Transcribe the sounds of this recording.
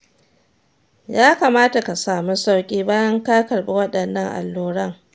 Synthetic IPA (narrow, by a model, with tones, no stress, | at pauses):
jaː˦ka˨maː˦ta˨ka˨saː˨mu˦sa˦wkʲʼiː˦baː˦jɐ˦ŋkaː˦kɐ˨rɓe˦wɐ˦ɗɐ˨nːɐ˦ŋʔa̰˨lːuː˦ɽɐ˦˨ŋ